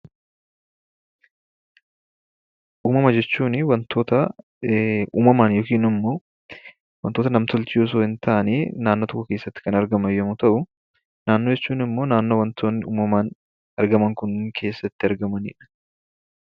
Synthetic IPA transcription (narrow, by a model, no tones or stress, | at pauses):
ʔuːmɐmɐd͡ʒɛt͡ʃːuːnɪwɐnt̪ʰo̞ːt̪ɐ | uːmɐmaːnjoːkiːnɪmːoː | wɐnt̪ːoːt̪̬ɐnɐmt̪ɔlt͡ʃɪjos̬oːhɪnt̪ʰɐʔɐneːnaːnːot̪ɔkːɔke̞ːsːɐt̪ːɪ̥kɐnɐɾɡɐmɐjɐmʊt̪ɐʔʊ | naːnːod͡ʒɛt͡ʃːuːnɪmːo̞ːnaːnːo̞ːwɐnt̪ʰoːnːɪṵːmɐmaːn | ɐɾɡɐmɐŋkʊnkʰe̞ːsːɐt̪ːɪɐɾɡɐmɐnḭːᶑɐ̥